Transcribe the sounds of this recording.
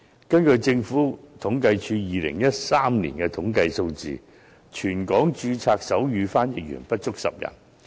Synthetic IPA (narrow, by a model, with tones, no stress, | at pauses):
kɐ˥nkɵ˧ɥt͡sɪ˧ŋfuː˨˥t̪ʰʊ˨˥ŋkɐ˧jt͡ʃʰyː˧jiː˨˧lɪ̰˨˩ŋjɐ˥t̚saː˥mnlḭː˨˩nkɛ˧t̪ʰʊ˨˥ŋkɐ˧jso˧wt͡sḭː˨˧ | t͡ʃʰyː˨˩nkɔː˨˥ŋt͡ʃyː˧t͡sʰaː˧k̚sɐ˨˥wjyː˨˧faː˥njɪ˨k̚jy̰˨˩npɐ˥t̚t͡ʃʊ˥k̚sɐ̰˨p̚jɐ̰˨˩n